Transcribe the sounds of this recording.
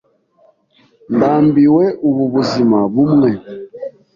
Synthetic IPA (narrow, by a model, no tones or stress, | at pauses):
ndaːmbiwɛʔuβuβuzimaβumŋɛ